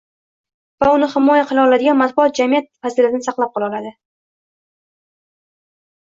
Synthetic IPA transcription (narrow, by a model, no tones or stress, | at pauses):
vaʊnɪhɪmɒjaqʰɨlˠaɒlad̪ɪɡʲanmat̪̚bʊɒt̪̚d͡ʒamijat̪̚fazɪlat̪nɪsɑqlˠap̚qʰɒlˠɑɒlad̪ɪ